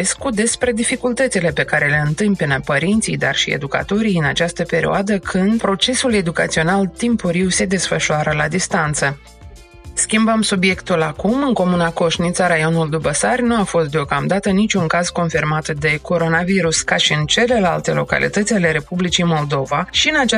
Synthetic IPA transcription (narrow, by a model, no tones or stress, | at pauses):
eskud̪e̞spɾe̞d̪ifikult̪ət̪sile̞pe̞kaɾe̞le̞ɨnt̪ɨmpinəpəɾint̪sijd̪a̰rʃḭḛd̪uka̰t̪o̞ɾijɨnat͡ʃast̪əpe̞ɾḭoad̪əkʰɨnd̪̚pɾo̞t͡ʃe̞sule̞d̪uka̰t̪sio̞nalt̪impuɾiwse̞d̪e̞sfəʃuaɾəlad̪ist̪ant̪sə | skʲimbəmsubje̞kt̪ulakumɨŋko̞munako̞ʃnit̪saɾajo̞nuld̪ubəsarʲnuafo̞st̪d̪eokamd̪at̪ənit͡ʃʲuŋkaz̥ko̞nfirmat̪d̪e̞ko̞ɾo̞naviɾuskaʃiɨnt͡ʃe̞le̞la̰lt̪e̞lo̞̰ka̰lʔḭt̪ət̪sʲale̞ɾe̞publit͡ʃijmo̞ld̪o̞vaʃiɨnat͡ʃa